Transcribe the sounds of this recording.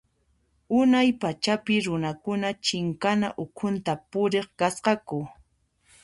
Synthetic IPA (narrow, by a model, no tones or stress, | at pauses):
ʊnajpat͡ʃapɪɾʊnakʊnat͡ʃɪŋkana̰ʔʊkʰʊnt̪apʊɾeχkasqɑkʊ